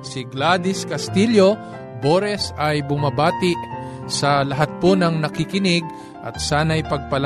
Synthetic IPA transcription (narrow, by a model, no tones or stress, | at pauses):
sɪɡlad̪ɪskɐst̪iljo̞ | boɾɛsɐjbʊmabaːt̪ɪʔ | sɐlɐɦat̪̚ponɐŋnɐkɪkɪnɪɡ̚ | ʔɐ̰t̪̚saːnɐjpɐɡ̚pɐl